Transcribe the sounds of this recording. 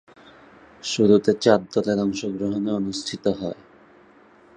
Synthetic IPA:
ʃud̪ut̪et͡ɕaɾ̚d̪ɔleɾɔŋʃoɡɾoɦoneonust̪ʰit̪oɦɔe

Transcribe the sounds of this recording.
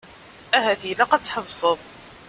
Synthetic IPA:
æɦæθilæqɑt͡sːħəvsˤəðˤ

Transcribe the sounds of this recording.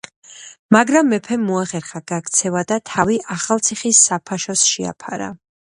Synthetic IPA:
maɡɾamːɛpʰɛmːɔaχɛɾχaɡakʰt̪sʰɛvad̪at̪ʰaviʔaχalˠt̪sʰiχisːapʰaʃɔsʃia̰pʰaɾa̰

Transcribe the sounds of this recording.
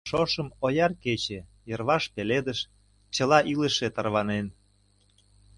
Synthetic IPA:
ʃoʃə̆mojɑrket͡ɕe | jərβɑʃpeled̪əʃ | t͡ɕəlɑʔiləʃet̪ərβɑnen

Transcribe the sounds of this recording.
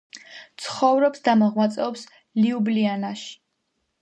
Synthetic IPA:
t̪sʰχɔvɾɔpsd̪amɔʁmat̪sʼɛɔps | liublianaʃi̥

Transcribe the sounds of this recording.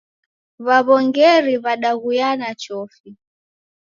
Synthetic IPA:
βaβɔŋɡɛɾiβaɗaɣujanat͡ʃɔfi

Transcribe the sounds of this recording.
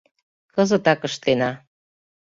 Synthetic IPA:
kəzə̆t̪ɑkəʃt̪enɑ

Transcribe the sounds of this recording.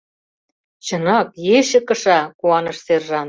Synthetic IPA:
t͡ɕɤnɑkjeʃɘ̆kɤ̆ʃɑkuɑnɤ̆ʃserʒɑn

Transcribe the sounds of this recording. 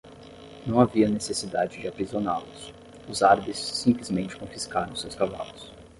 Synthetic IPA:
nɐ̃w̃aviɐnesesid̪ad͡ʒɪd͡ʒɪapɾizonalʊs | ʊzaɾbɪsːĩmplizmẽnt͡ʃɪ̥kõfiskaɾɐ̃w̃sewskava̰lʊs

